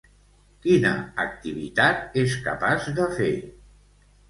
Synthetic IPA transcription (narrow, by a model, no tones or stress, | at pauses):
kinəək̚t̪iβit̪at̪eskə̰pazðəfḛ